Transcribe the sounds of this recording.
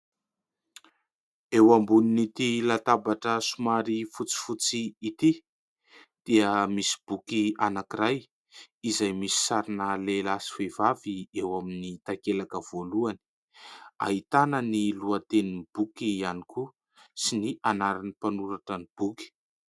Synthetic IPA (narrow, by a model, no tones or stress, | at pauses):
ewambuninit̪ilat̪abaʈ͡ʂəsumaɾifut͡si̥fut͡siit̪i | d̪̥iəmisi̥b̥ukianakiraj | izajmisi̥saɾinəlelasi̥vevaviewaminit̪akelakəv̥oluani̥ | a̰ɦit̪anəniluat̪enib̥ukianiku | siniʔanaɾanipanuɾaʈ͡ʂanib̥uki̥